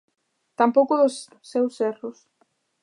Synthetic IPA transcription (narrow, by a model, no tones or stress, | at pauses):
t̪ampowkʊðʊs | sːewsɛrʊs